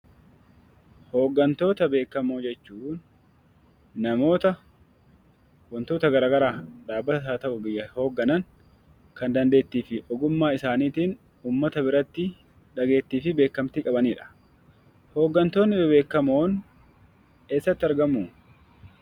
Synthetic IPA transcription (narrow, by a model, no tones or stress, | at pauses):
ho̞ːɡːɐnt̪o̞ːt̪ɐbe̞ːkːɐmoːd͡ʒɛt͡ʃːuːn | nɐmo̞ːt̪ɐ | wɐnt̪o̞ːt̪ɐɡɐɾaːɡɐɾaːᶑaːbːɐt̪ɐsaːt̪ɐʔʊbɪjːɐho̞ːɡːɐnɐŋ | kɐnd̪ɐnd̪e̞ːt̪ːiːfɪʔɔɡʊmːaːɪsaːniːt̪iːn | uːmːɐt̪ɐbɪɾɐt̪ːɪ | ᶑɐɡe̞ːt̪ːiːfɪbe̞ːkːɐmt̪ɪkʼɐbɐniːᶑɐ̥ | ho̞ːɡːɐnt̪o̞ːnːɪbɪbe̞ːkːɐmoːn | eːsːɐt̪ːɪɐɾɡɐmːuː